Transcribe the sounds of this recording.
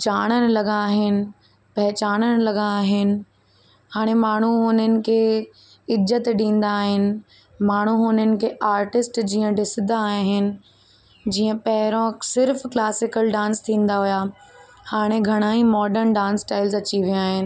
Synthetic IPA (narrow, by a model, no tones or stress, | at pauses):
d͡ʑaːɽ̃ənɪ̆lɐɡãːɦɪnɪ̆ | pɐɦɪt͡ɕaːñənɪ̆lɐɡãːɦɪnɪ̆ | haːɽ̃emaːɳ̤uɦʊn̤ənɪ̆kʰe | ɪzət̪ɗĩːn̆d̪aːɦɪnɪ̆ | maːɳ̤uʊnənɪ̆kʰeʔaːɾʈɪsʈd͡ʑiːə̃ɖɪsd̪aːɦɦɪnɪ̆ | d͡ʑiːə̃pɐɦɪɾõsɪɾfklaːsɪkəlɖãːnst̪ʰĩːn̆d̪aɦuja | haːɽ̃eɡʱɐɽ̃aːimɔːɖəɾnɖãːnsʈaːɪlzɐt͡ɕiʋijãaːɦɪnɪ̆